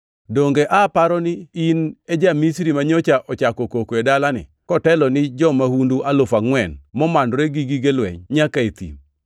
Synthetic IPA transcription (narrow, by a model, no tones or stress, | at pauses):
doŋɡeʔapaɾɔnɪined͡ʒamisɾimaɲot͡ʃaʔɔt͡ʃakɔkokoedalanɪ̰ | kɔtɛlɔnɪd͡ʒɔmahunduʔalʊfaŋwɛnmɔmandɾeɡiɡiɡelwɛ̰ɲɲakaet̪ḭm